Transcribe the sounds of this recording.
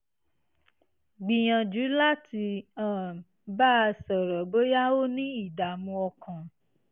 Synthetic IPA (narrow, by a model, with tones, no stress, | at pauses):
ɡ͡bĩ˨j̃ã˨d͡ʒu˨˦la˦tʰi˧ã˦˨ | ba˦˧sɔ˨ɾɔ˨bo˦ja˦o˦nĩ˦i˦˨da˨mũ˧ɔ˧kã˨